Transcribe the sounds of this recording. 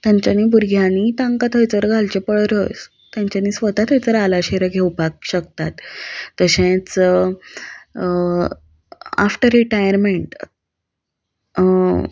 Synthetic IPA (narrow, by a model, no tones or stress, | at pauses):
t̪jaɲt͡ɕaniːbuɾɡʱjanit̪ãŋkat̪ʰəjt͡səɾɡʱalt͡ɕepəɭɾət͡s | t̪jãɲt͡ɕaniːsʋət̪at̪ə̃t͡səɾalaɕeɾəɡʱewpak̚ɕək̚t̪at̪ːəɕẽt͡s | a̰fʈəɾɾiʈajəɾmeɳʈ